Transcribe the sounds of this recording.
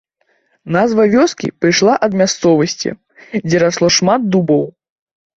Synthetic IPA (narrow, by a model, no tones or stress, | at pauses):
nazvɐvʲɔskʲḭpɾɨjʂlˠaʔɐd̪mʲast̪sɔvɐsʲt͡sʲḭ | d͡zʲɛɾaslˠɔʂmad̪̚d̪ubɔw